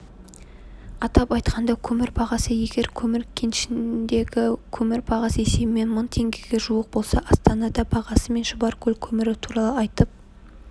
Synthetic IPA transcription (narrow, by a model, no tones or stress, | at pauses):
ɑt̪ɑpɑjt̪qʰɑnd̪ɑkʲʰɵmɪɾbʰɑʁɑsəje̞ɡʲe̞ɾkʲʰɵmɪɾkʲʰenʃɪnd̪e̞ɡʲɪkʲʰɵmɪɾpʰɑʁɑsəese̞bɪme̞nmʊnt̪ʰe̞ŋɡʲɪɡʲe̞ʒuəq̚bo̞lˠsɑʔɑst̪ɑnɑd̪ɑbʰɑʁɑsəme̞nʒʊbɑɾkʲʰɵlkʲʰɵmɪɾɪt̪ʰuɾɑlˠəɑjt̪əp̚